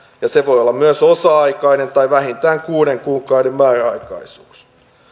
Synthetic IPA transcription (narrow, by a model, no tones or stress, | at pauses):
jɑseʋo̞jolːɑmyøsosɑɑikɑinent̪ɑiʋæhint̪æːŋkuːneŋkuːŋkɑwdemmæːræɑikɑ̰isuːs